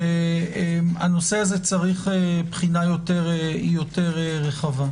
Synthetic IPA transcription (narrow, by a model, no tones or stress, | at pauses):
eemano̞seazet͡saʁiχepχinajo̞teʁejoteʁeʁeχava